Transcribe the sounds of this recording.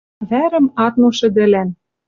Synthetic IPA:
βæɾɘ̆mɑt̪noʃɘ̆d̪ɘ̆læn

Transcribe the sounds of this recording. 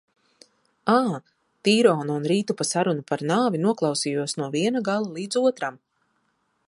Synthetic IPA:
aː | t̪iːɾɔːnuːnɾiːt̪upasaɾunupaɾnaːvinuɔklˠɑwsijuɔsnuɔviɛnaɡalˠalˠiːd̪zuɔt̪ɾam

